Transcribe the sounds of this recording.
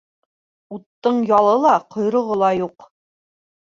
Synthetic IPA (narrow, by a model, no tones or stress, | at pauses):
ut̪ːɤɴjɑlˠɤlˠɑqʰŏjɾŏʁɤlˠɑjuq